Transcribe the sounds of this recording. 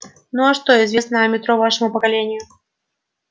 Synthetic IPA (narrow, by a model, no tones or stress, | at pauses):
nuɐʂt̪oɪzvʲesnəmʲɪt̪ɾovaʂɨəmʊpəkɐlʲenʲɪjʊ